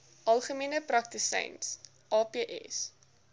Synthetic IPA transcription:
ʔɐlˠχəmiənəprɐk̚tisɛ̰jns | ʔɑːpeːʔɛ̰s

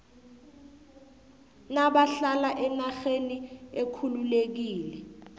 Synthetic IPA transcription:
naɓaɬalaʔɛnaxeniekʰululek̬iːlɛ

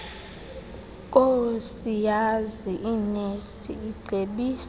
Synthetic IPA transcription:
kʼosijaziʔinesiːɡ͡ǀʱeɓiːs

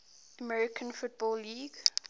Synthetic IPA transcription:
əmɛɹɪkʰə̃nfʊt̚bɔlːiːɡ

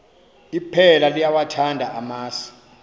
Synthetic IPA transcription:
ipʰɛlalijawatʰandʱaʔamaːsi̥

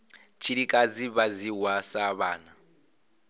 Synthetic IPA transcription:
t͡ʃʰiɺikʼad͡ziβaziwasaβaːna

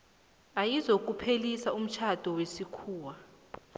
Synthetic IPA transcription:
ajizok̬ʼupʰelisaum̩t͡ʃʰad̥ʱɔwesikʰuːwa

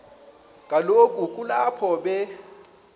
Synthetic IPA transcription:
kʼalokʼukʼulapʰɔɓɛ

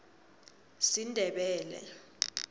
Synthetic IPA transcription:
sindʱɛɓɛːlɛ̰

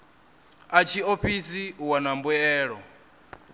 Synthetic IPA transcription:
at͡ʃʰioɸisiwanambuɛːɺɔ

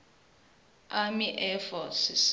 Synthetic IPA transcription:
amiʔɛfɔsis

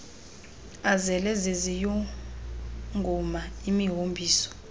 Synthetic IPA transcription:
azɛlɛzezijɔ | ŋɡʱɔmaimiɦombʱiːsɔ̥

